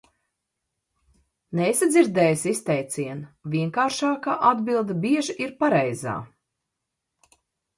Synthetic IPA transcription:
nesad̪ziɾd̪ɛːjsist̪ɛjt̪sʲiɛnvʲiɛŋkaːɾʃaːkaːʔad̪bilˠd̪abiɛʒʔiɾpaɾɛjza̰ː

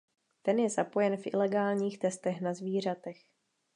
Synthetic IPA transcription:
t̪ɛnjɛzapo̞jɛnfʔɪ̰lɛɡaːlɲiːxt̪ɛst̪ɛxnazviːr̝at̪ɛx

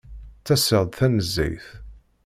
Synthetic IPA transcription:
t͡sːæsəʁd̪θænəzːæ̰jθ

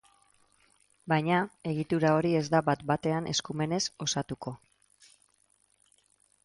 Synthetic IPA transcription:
bajɲae̞ɣ̞it̪uɾao̞ɾie̞zd̪abat̪bat̪e̞anʔe̞skume̞ne̞so̞sat̪uko̞

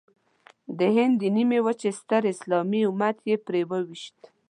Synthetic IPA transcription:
d̪əɦɪnd̪ənimewət͡ʃest̪əɾɪslɑmiʊmat̪jepɾewəwiʃt̪

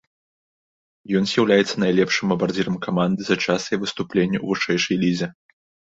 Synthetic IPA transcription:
jɔnzʲjawlʲajɛt̪sːɐnajlʲɛpʂɨmɐbard͡zʲiɾɐmkamand̪ɨzɐt͡ʂasɐjɐvɨst̪uplʲenʲːɐwvɨʂɛjʂɐjlʲizʲɛ

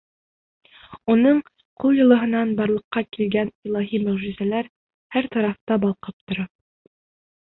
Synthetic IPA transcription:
unɤɴ | qʰulˠjɤ̆lˠɤ̆ɦɤ̆nɑnbɑɾlˠɤ̆qːɑkilɡænilˠɑɦimɵ̆ʁʒizælæɾ | hæɾt̪ɑɾɑft̪ɑbɑlˠqɤp̚t̪ŏɾɑ

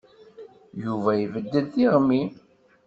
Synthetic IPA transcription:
juvæjvəd̪ːəlθiʁmːi

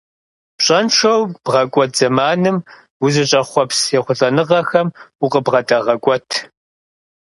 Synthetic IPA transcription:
pɕʼɐnʃʰɐwb̥ʁɐkʷʼɔt̚ʰz̥ɐmaːnɨm | wuzɨɕʼɐχʷɔpsjɛχʷʊɬʼɐnɨʁɐxɐmuqʼəbʁɐtʼɐʁɐkʷʼɔtʰ

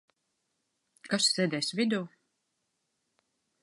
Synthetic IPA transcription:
kasːɛːd̪ɛːsvʲid̪uː

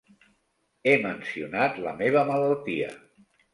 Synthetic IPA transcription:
emənsiunat̪lə̰meβ̞əmələlˠt̪iə̰

